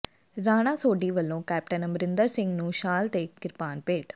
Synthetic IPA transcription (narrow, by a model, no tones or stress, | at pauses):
ɾaːñãːsoːɖiːʋəlːõːkɛːp̚ʈənəmɾɪnd̪əɾsɪ̃ŋɡnũːʃaːlt̪eːkɪɾpaːnpeːʈ